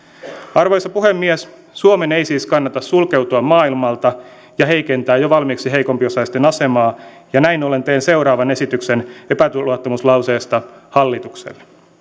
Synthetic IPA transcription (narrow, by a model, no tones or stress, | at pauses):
ɑrʋojsːɑpuhemːies | suome̞nejsiːskɑnːɑt̪ɑssulke̞wt̪uɑmmɑːilmɑlt̪ɑ | jɑɦe̞jke̞nt̪æːjoʋɑlmiksiɦejkompiosɑist̪enɑse̞mɑː | jɑnæinole̞nt̪eːnse̞wɾɑːʋɑne̞sit̪yksenepæt̪uluɑt̪ːomuslɑwseːst̪ɑhɑlːit̪uksḛlː